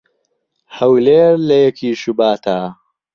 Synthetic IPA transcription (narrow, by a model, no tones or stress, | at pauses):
hɐwleːɾlɐjɐkʰiːʃubaːt̪ʰaː